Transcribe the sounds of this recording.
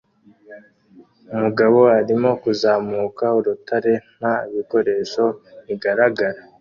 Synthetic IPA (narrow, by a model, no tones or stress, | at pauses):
umuɡaβo̞aɾimo̞kuzaːmuːkauɾutʰaɾe̞n̥aiβiko̞ɾe̞ʃo̞βiɡaɾaɡaɾa